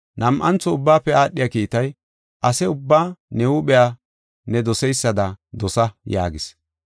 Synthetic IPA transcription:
nɐmʔɐnt͡sːɔʊbːaːpːɛaːɗːɪjaːkiːt̪ɐj | ʔɐsɛʊbːaːnɛwʊɓɛja | nɛd̪ɔsɛjsːɐd̪ɐd̪ɔsɐja̰ːɡɪs

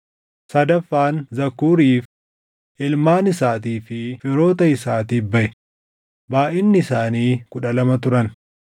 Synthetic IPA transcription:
sɐd̪ɐfːaːnzɐkːuːɾiːf | ʔɪlmaːnɪsaːt̪iːfɪfɪɾo̞ːt̪ɐɪsaːt̪iːbɐʔɛ | baːʔɪnːɪɪsaːniːkʊᶑɐlɐmɐt̪ʊɾɐn

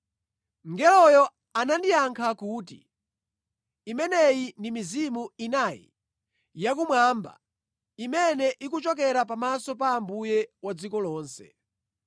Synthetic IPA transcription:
ŋɡɛlɔjɔ | anandijaŋkʰakuːtḭ | imɛnɛjindimizimuinajḭ | jak̬umwaːmba̰ | imɛnɛʔikut͡ʃɔkɛɾap̬amasɔpaːmbujɛwad͡zikɔlɔːnsɛ̥

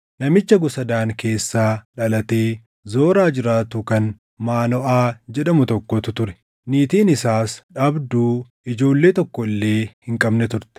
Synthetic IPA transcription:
nɐmɪt͡ʃːɐɡʊsɐd̪aːŋke̞ːsːaːᶑɐlɐt̪eː | zo̞ːɾaːd͡ʒɪɾaːt̪ʊkɐn | maːnɔʔaːd͡ʒɛᶑɐmʊt̪ɔkːɔt̪ʊt̪ʊɾɛ̥ | niːt̪iːnɪsaːsᶑɐbd̪uː | ɪd͡ʒo̞ːlːe̞ːt̪ɔkːɔɪlːe̞ːhɪŋkʼɐbnɛt̪ʊɾt̪ɛ̥

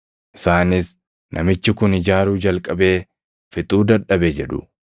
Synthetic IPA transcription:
ʔɪ̥saːnɪs | nʔɐmɪt͡ʃːɪkʊnɪd͡ʒaːɾuːd͡ʒɐlkʼɐbe̞ː | fɪt̪ʼuːd̪ɐᶑɐbed͡ʒɛᶑʊ̰

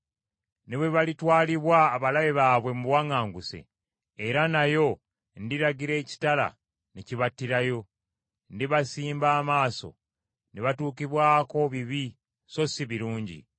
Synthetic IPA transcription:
ne̞βwe̞βalitwaːliβwaːβalaβeβaːβwe̞muβwaŋaːŋɡuse̞̰ː | ɾanajo̞ | ndiɾaɟiɾe̞ːci̥tala̰ | neciβatːiɾajo̞ | ndiβasiːmbaːmaːso̞̰ | neβatuːkiβwaːko̞βiβi | so̞siβiɾuːɲɟḭ

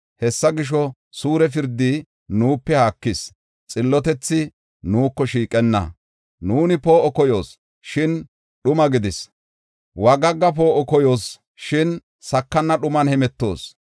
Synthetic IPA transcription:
hɛsːɐɡɪʃ̬ɔ | suːɾɛf̬ɪɾd̪ːi | nuːpːɛhaːkːɪs | t͡sʼɪlːɔt̪ɛt͡sːɪ | nuːkːɔʃiːkʼɛnːɐ̰ | nuːnɪpo̞ːʔɔkɔjo̞ːs | ʃɪn | ɗʊmɐɡɪd̪ɪs | wɐɡɐɡːɐp̬o̞ːʔɔkɔjo̞ːs | ʃɪn | sɐkːɐnːɐɗʊmɐnhɛmɛt̪ːo̞̰ːs

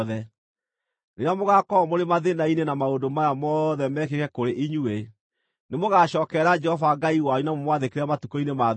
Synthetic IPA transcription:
ðɛ | neɾamoɣakɔmoɾemaðenainenamaondomajamɔðɛmɛk̬ekɛkoɾeʔiɲue | nemoɣaɕɔːkɛɾad͡ʒɛhɔvaɡaiwajunamomwaðekeɾɛmatukoinema

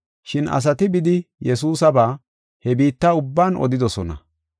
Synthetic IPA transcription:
ʃɪnʔɐ̰s̬ɐt̪ɪbɪd̪ɪjɛsuːsɐbaː | hɛbiːt̪ːɐʊbːaːnɔ̰d̪ɪd̪ɔsɔnɐ̰

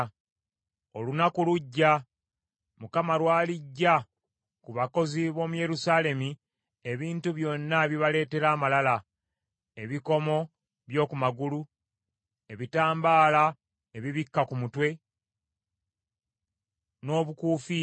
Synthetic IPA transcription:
o̞lunakuluɟːa | mukamaɾwaːliɟːa | kuβako̞ziβo̞ːmuje̞ɾusaːle̞mi | e̞βiːntuβjo̞nːaβiβale̞ːte̞ɾaːmalala | e̞βiko̞mo̞ | βjo̞ːkumaɡulu | e̞βitaːmbaːla | eβiβikːakumutwe̞ | no̞ːβukuːfi

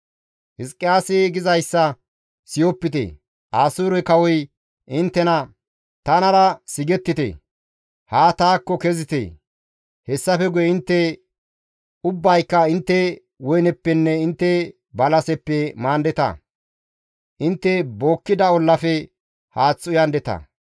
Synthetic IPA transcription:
hɪskʼːɪjaːseɡɪzɐjsːɐ | sɪjɔpːɪt̪ḛ | ʔaːsuːɾɔkɐwɔj | ʔɪnt̪ːɛnɐ | t̪ɐnɐɾɐsɪɡɛt̪ːɪt̪ḛ | haːt̪aːkːɔkɛzɪt̪ḛ | hɛsːɐfɛɡʊjɛɪnt̪ːɛ | ʊbːɐjkːɐɪnt̪ːɛ | wɔjnɛpːɛnːɛɪnt̪ːɛ | bɐlɐsɛpːɛmaːnd̪ɛt̪ɐ̰ | ʔɪnt̪ːɛbo̞ːkːɪd̪ɐɔlːɐfɛ | haːt͡sːʊjɐnd̪ɛt̪ɐ̰

